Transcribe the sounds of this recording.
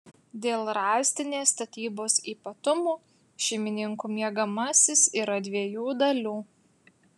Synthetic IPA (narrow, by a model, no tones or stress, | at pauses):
d̪ʲeːlˠɾɑːˑsʲt̪ʲɪnʲeːst̪ɐt̪ʲiːboːsiːpɐt̪ʊmuː | ʃʲɛɪmʲɪnʲɪŋkuːmʲiɛɡɐmɐsʲɪsiːɾɐd̪ʲʋʲiɛjuːd̪ɐlʲuː